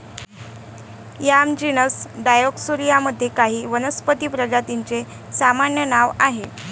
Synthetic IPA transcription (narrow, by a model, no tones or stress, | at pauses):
jamd͡ʑinəsɖajoksuɾijaməd̪ʱːjekaɦiːʋənəspət̪iːpɾəɡat̪iɲt͡se | samaɳjənaʋaɦe